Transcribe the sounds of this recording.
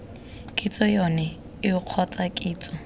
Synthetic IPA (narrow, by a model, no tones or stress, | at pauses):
kʼit͡sʼɔjɔnɛ | ɪʊq͡χʰɔt͡sʼakʼiːt͡sʼɔ